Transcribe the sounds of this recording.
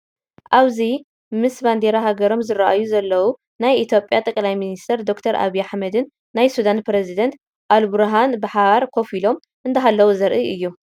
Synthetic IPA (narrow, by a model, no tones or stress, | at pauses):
ʔaβzi | mɨsband̪eɾaɦaɡɐɾo̞mzɨɾaʔajuzɐlːɐwu | najʔit̪ʰjo̞pʼjat̪ʼɐkʼlajminist̪ʰɐɾd̪o̞kt̪ʰɐɾʔa̰βijaħmɐd̪ɨnː | ajsud̪anpɾezid̪ɐnt̪ | ʔalbuɾɦanbɨħaβaɾkʰo̞filo̞m | ʔɨnd̪ʰɐɦalːɐwuzɐɾʔiʔɨjːu